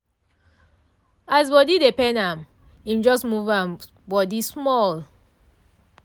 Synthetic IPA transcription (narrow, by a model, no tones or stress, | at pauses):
as̬bɔdidepɛ̃nãm | ĩmd͡ʒɔsmuvãn | bɔdismɔl